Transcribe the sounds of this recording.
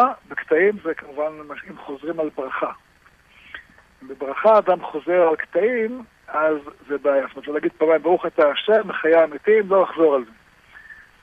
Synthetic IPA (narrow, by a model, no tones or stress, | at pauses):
bekt̪aimzekamuvanmaʃimχo̞zʁimalbʁaχa | imbebʁaχaːd̪amχo̞ze̞ʁalkt̪aim | azːebeajast̪omt̪lolaɡid̪̚paːmajmbaʁuχat̪aːʃemeχajaːmit̪imlo̞jaχzo̞ʁalze